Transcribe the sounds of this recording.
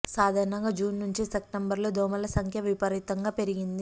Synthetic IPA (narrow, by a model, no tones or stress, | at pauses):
saːd̪ʱaːɾɐɳɐŋɡaːd͡ʒuːnːuɲt͡ʃisepʈembɐɾloːd̪oːmɐlɐsɐŋkʰjɐʋipɐɾit̪ɐŋɡaːpe̞ɾiɡind̪i